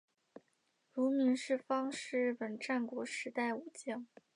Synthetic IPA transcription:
ɻu˧˥mi˧˥nʂɻ̩˥˩fɑ˥ŋʂɻ̩˥˧ɻɻ̩˥˩pə˨˩nʈ͡ʂa˥˩nkwɔ˧˥ʂɻ̩˧˥t̪a˥˩ɪu˨˩t͡ɕjɑ˥˩ŋ

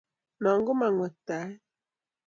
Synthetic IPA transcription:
na˨ŋ˦ɡo˦ma˨ŋɔ˨ta˨˦

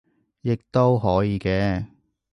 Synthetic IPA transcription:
jɪ˨k̚t̪o˥wɦɔː˨˥jiː˨˧kɛː˧

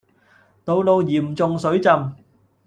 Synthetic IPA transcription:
t̪o˨˧wlo˧wjiː˨˩mt͡sʊ˨˧ŋsɵ˨˥ɥt͡sɐ˧m

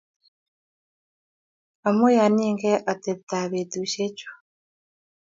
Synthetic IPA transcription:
a˨mo˦ja˨niː˦ŋɡe˦ʔa˨te˨βta˨βe˨du˨ɕe˦co̥

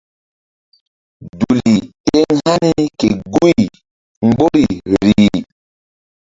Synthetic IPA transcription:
du˨li˨e˦ŋha˦ni˦ke˨ɡu˦i˨ | ŋ͡mɡ͡bo˦ɾi˨ɾiː˨

